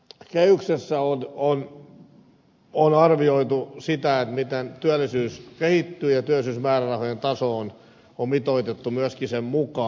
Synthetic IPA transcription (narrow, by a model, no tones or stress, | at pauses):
kehyksesːæonon | onɑrʋioit̪usit̪æet̪mit̪ent̪yælːˑisyːskehit̪ːyːjɑt̪yæˑlˑisyːsmæːrærɑhojent̪ɑsoːn | ommit̪oit̪et̪ːumyæskisemmukɑ